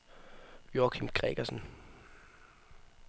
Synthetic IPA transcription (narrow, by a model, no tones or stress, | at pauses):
jokʰimɡ̥ʁɛ̰ɡ̥ɐsn̩